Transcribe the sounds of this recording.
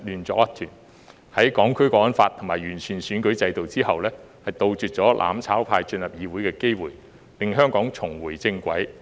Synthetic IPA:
lyː˨nt͡sɔ̰˨k̚jɐ˥t̪ʰyː˨˩n | hɐ˨˥jkɔː˨˥ŋkʰɵ˥ɥkɔː˧˥wɐ˥nfaː˧t̪ʰːʊ˨˩ŋmaː˨˩jyː˨˩nt͡ʃʰyː˨˩nsyː˨˥nkɵ˨˥ɥt͡sɐ˧jt̪o˨wt͡siː˥hɐ˨wlɛː˥ | hɐ˨jt̪o˨˧wt͡ʃyː˨t̚t͡sɔː˨˥lʔa̰ː˨˥mt͡sʰaː˨˥wpʰaː˧jt͡ʃɵ˧njɐ˨p̚jiː˨˧wuː˨˥jkɛː˧ke˥jwuː˨˩j | lɪ˨ŋɦœː˥ŋkɔː˨˥ŋt͡sʰʊ˨˩ŋwuː˨˩jt͡sɪ˧ŋkʷɐ̰˨˥j

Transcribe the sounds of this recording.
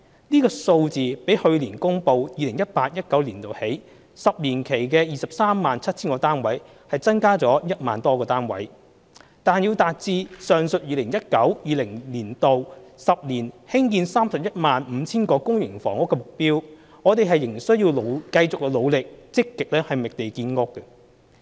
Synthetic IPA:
niː˥kɔː˧so˧wt͡siː˨pe˨˥jhɵ˧ɥliː˨˩nkʊ˥ŋpo˨˧wjiː˨˧lɪ˨˩ŋjɐ˥t̚paː˧t̚jɐ˥t̚kɐ˨˥wliː˨˩nt̪o˨whe˨˥j | sɐ˨p̚liː˨˩nkʰe˨˩jkɛː˧jiː˨˩sɐ˨p̚saː˥mːaː˨nt͡sʰɐ˥t̚t͡sʰiː˥nkɔː˧t̪aː˥nwɐ˨˥j | hɐ˨jt͡sɐ˥nkaː˥t͡sɔː˨˥jɐ˥t̚maː˨nt̪ɔː˥kɔː˧t̪aː˥nwɐ̰˨˥j | t̪aː˨˩nji˧wt̪aː˨t̚t͡siː˧sœː˨˩ŋsɵ˨t̚jiː˨˧lɪ˨˩ŋjɐ˥t̚kɐ˨˥wjiː˨˧lɪ˨˩ŋliː˨˩nt̪o˨wsɐ˨p̚liː˨˩nhɪ˥ŋkiː˧nsaː˥msɐ˨p̚jɐ˥t̚maː˨nm̩˨˧t͡sʰiː˥nkɔː˧kʊ˥ŋjɪ˨˩ŋfɔː˨˩ŋʊ˥kːɛ˧mʊ˨k̚piː˥w | ŋɔː˨˧t̪e˨jɦɐ˨jːɪ˨˩ŋ˨˩sɵ˥ɥjiː˧wlo˨˧wkɐ˧jt͡sʊ˨k̚ːɛ˧lo˨˧wlɪ˨k̚t͡sɪ˥kːɪ˨k̚lɛː˥hɐ˨jmɪ˨k̚t̪e˨jkiː˧nŋʊ˥kːɛ˧

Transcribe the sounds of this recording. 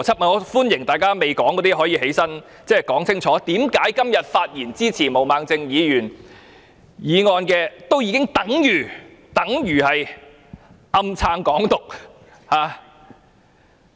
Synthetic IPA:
t͡sʰɐ˥t̚mɐ˨˩ɔ˨˧˥fuː˥njɪ˨˩ŋt̪aː˨jkaː˥me˨jkɔː˨˥ŋkɔː˨˥t̪iː˥ɦɔː˨˥jiː˨˧he˨˥jsɐ˥n | t͡sɛː˥˩kɔː˨˥ŋsʰɪ˥ŋt͡sʰɔː˨˥t̪iː˨˥mkaː˨˥jkɐ˥mjɐ˨t̚faː˧t̚jiː˨˩nt͡siː˥t͡sʰiː˨˩mo˨˩wmaː˨˧ŋt͡sɪ˧ŋjiː˨˧jyː˨˩n | jiː˨˧ŋɔː˧nkɛː˧t̪o˥wjiː˨˧kɪ˥ŋt̪ɐ˨˥ŋjyː˨˩t̪ɐ˨˥ŋjyː˨˩hɐ˨j | ʔɐ˧mt͡sʰaː˧ŋkɔː˨˥ŋt̪ʊ˨k̚ | haː˨˧

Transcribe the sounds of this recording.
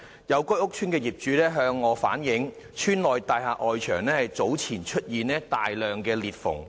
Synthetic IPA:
jɐ˨˧wkɔ˥ʊ˥k̚t͡ʃʰyː˥nkɛː˧jiː˨˩p̚t͡ʃyː˨˧lɛː˥ɦœː˧ŋːɔː˨˧fa̰ː˨˥njɪ˨˥ŋ | t͡ʃʰyː˥nlɔː˨jt̪aː˨jhaː˨˧ʔɔː˨jt͡ʃʰœː˨˩ŋnɛː˥hɐ˨jt͡so˨˥wt͡sʰiː˨˩nt͡ʃʰɵ˥t̚jiː˨nɛː˥t̪aː˨jlœː˨ŋkɛː˧liː˨˩t̚fʊ̰˨˩ŋ

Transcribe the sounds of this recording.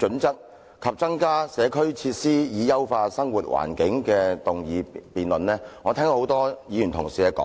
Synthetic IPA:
t͡ʃɵ˨˥nt͡sɐ˥k̚ | kʰɐ˨p̚t͡sɐ˥ŋkaː˥sɛː˨˧kʰɵ˥ɥt͡sʰiː˧t̚siː˥jiː˨˧jɐ˥wfaː˧sɐ˥ŋwuː˨˩t̚wʔa̰ː˨˩nkɪ˨˥ŋkɛː˧t̪ʊ˨ŋjiː˨˧piː˨nlɵ˨nlɛː˥ŋɔː˨˧t̪ʰɛ˥ŋo˧˥hwt̪ɔː˥jiː˨˧jy˨˩nt̪ʰʊ˨˩ŋsiː˨kɛː˧kɔ̰ː˨˦˥

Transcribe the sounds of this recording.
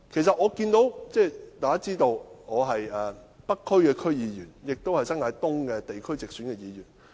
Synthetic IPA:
kʰe˨˩js̬ɐ˨t̚ʔɔː˨˧kiː˧nt̪o˨˥wt͡sɛː˥˩t̪aː˨kaː˥t͡siː˥t̪o˧wɔː˨˧ɦɐ˨jɛː˨ | pɐ˥k̚kʰːɵ˥ɥkɛː˧kʰɵ˥ɥjiː˨˧jyː˨˩njɪ˨k̚t̪o˥whɐ˨jsɐ˥nŋaː˨˧jt̪ʊ˥ŋkɛː˧t̪e˨jkʰɵ˥ɥt͡sɪ˨k̚syː˨˥nkɛː˧jiː˨˧jyː˨˩n

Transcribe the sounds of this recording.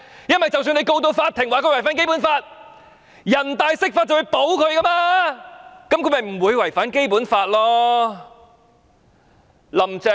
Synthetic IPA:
jɐ˥nwɐ˨jt͡sɐ˨ws̬yː˧ne˧jko˧wt̪o˧wfaː˧t̪ʰːɪ˨˩ŋwaː˨˩kɵ˧˥wjfaː˨˥nke˥jpuː˨˥nfaː˧t̚ | jɐ˨˩nt̪aː˨˧jsɪ˥k̚faː˧t͡sɐ˨wu˨˧jpo˨˥wkʰɵ˨˧ɥkɐ˥maː˧ | kɐ˨˦mkʰmɐ˨jm̩˨˩wuː˨˧jwɐ˨˩jfaː˨˥nke˥jpuː˨˥nfaː˧t̚lɔː˥ | lɐ˨˩mt͡sɛ˨˥

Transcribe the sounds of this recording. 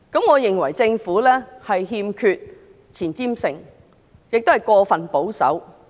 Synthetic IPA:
kɐ˨˥mŋɔː˨˧jɪ˨ŋwɐ̰˨˩jt͡sɪ˧ŋfuː˨˥lɛː˥hɐ˨jɦiː˧mkʰyː˧t̚ | t͡sʰiː˨˩nt͡siː˥msɪ˨˩ŋ | jɪ˨k̚t̪o˥hɐ˨˩jkʷɔː˧fɐ˨˩npo˨˥wsɐ̰˨˥w

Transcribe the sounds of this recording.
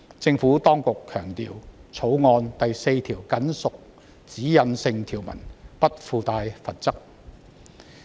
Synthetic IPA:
t͡sɪ˧ŋfuː˨˥t̪ɔː˥ŋkʊ˨kʰːœː˨˩ŋt̪ḭː˨wt͡sʰo˨˥wŋɔː˧nt̪ɐ˨jse˧jt̪ʰiː˨˩wkɐ˨˥nsʊ˨k̚ | t͡siː˨˥jɐ˨˧nsɪ˧ŋt̪ʰiː˨˩wmɐ̰˨˩npɐ˥t̚fuː˧t̪aː˧jfɐ˨t̚t͡sɐ˥k̚

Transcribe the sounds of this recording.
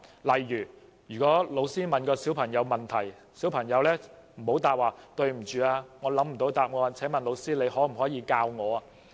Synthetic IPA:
lɐ˨jɥyː˨˩ | jyː˨˩kɔː˨˥lo˨˧wsiː˥mɐ˨nkɔː˧siː˨˥wpʰɐ˨˩ŋjɐ˨˧wmɐ˨˩nt̪ʰɐ˨˩j | siː˨˥wpʰɐ˨˩ŋjɐ˨˧wlɛː˥ | m̩˨˩ho˨˥wt̪aː˨p̚waː˨˩t̪ɵ˧ɥm̩˨˩t͡ʃyː˨aː˧ŋɔː˨˧lɐ˨˥m̩˨˩t̪o˨˧wt̪aː˨p̚ŋɔː˨˧t͡sʰɛː˨˥mɐ˨nlo˨˧wsiː˥le˨˧jɦɔː˨˥m̩˨˩hɔː˨˥jiː˧kaː˧wŋɔː˨˧aː˧

